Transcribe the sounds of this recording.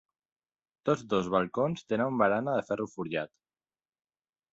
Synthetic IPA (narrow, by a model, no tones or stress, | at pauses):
t̪od͡zd̪ozβalˠkonst̪enanumbaɾanaðəfɛrufuɾʎat̪